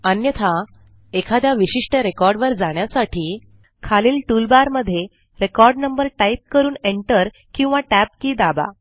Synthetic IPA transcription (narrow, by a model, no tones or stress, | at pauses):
ənjət̪ʰa | ekʰad̪jaʋiɕiʂʈəɾekɔɾɖʋəɾd͡zaɳjasaʈʰiː | kʰaliːlʈulbaɾməd̪ʱːje | ɾekɔɾɖnəmbəɾʈaip̚kəɾuːneɳʈəɾ | kĩw̃ʋaʈæp̚kiːd̪aba̰